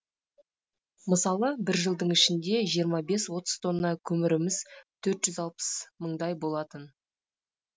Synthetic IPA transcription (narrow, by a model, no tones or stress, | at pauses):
məsɑlˠəbɪɾʒəlˠd̪əɴɪʃɪnd̪e̞ʒijəɾmɑbe̞swo̞t̪ə̥z̥t̪ʰo̞nːɑkʲʰɵmɪɾɪmɪz̥t̪ʰɵɾt̪ʒ̥ʏzɑlˠpə̥sməɴd̪ɑjbo̞lˠɑt̪ən